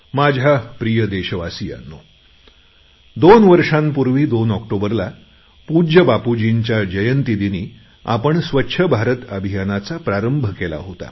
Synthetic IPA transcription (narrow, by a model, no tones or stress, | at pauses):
mad͡ʑʱapɾijəd̪eɕəʋasija̰nːo | d̪onʋəɾʂãmpuɾʋiːd̪onɔkʈobəɾla | pud͡ʑəbapud͡ʑiɲt͡ɕjad͡ʑəjənt̪id̪iniː | a̰pəɳsʋətːɕʰəbʱaɾət̪əbʱijanat͡sapɾaɾəmbʱəkela̰ɦot̪a̰